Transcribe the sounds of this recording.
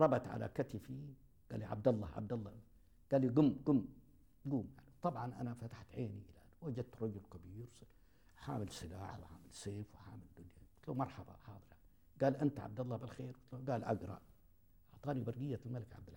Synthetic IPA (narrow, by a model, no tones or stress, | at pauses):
ɾˤɑbɑt̪ʕa̰la̰kat̪ɪfi | ɡ̥a̰ːlːiʕa̰b̚d̪ɑlˤːɑ̰ʕa̰b̚d̪ɑlˤːɑ | ɡ̥aːlːiɡʊmːɡʊmː | ɡuːmjaʕniwt̪ˤɑbʕɑnʔa̰nafat̪ḁħt̪ʕeːniʔɪlaʔanwwad͡ʒad̪̚t̪ɾˤɑd͡ʒʊlkabiːɾw | ħa̰ːmɪlsˤɪla̰ːʕa̰wħaːmɪlseːfwɪħaːmɪld̪ʊnjawɪ̥t̪lomɑɾˤħɑba̰ħɑːd̪ˤɨɾjan | ɡaːlʔɪnt̪aʕa̰b̚d̪ɑlˤːɑbɪlxeːɾwɪt̪loɡaːlʔaɡɾˤɑ̰ | ʔɑʕt̪ˤɑːnibɑɾˤɡɪjːalmalɪkʕa̰b̚d̪ɪlʕ